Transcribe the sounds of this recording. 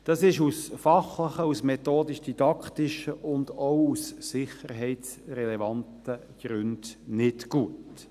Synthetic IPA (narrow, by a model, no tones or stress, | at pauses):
d̥ɑsɪʃusfɑχləχəusmɛt̪oːdiʃd̥id̥ɑkt̪iʃəʔʊnd̪owusːɪχəɾɦɛɪts | rɛlɛvɑntə | ɡ̥ɾʏnd̥nɪtɡ̥uət